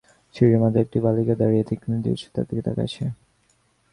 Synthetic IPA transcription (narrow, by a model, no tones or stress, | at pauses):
t͡ɕʰiɾemad̪ʱaek̚ʈibaliked̪aɾijed̪ʰekːinid̪ḭɾt͡ɕʰe̥t̪a̰t̪ːiked̪a̰ka̰t͡ɕʰe